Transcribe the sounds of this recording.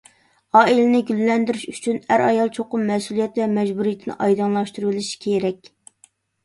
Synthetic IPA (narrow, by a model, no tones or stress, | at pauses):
ɑːilɪnɪɡʲylːɛnd̪ɪɾɪʃyt͡ʃʰynæɾɑjɑlˠt͡ʃʰoqʊmːɛsulˠijɛt̪vɛmɛd͡ʒbuɾijit̪ʰɪnɪ̰ʔɑjd̪ɑnlˠɑʃt̪uɾlˠɪʃi̥kʲʰeɾɛkʲ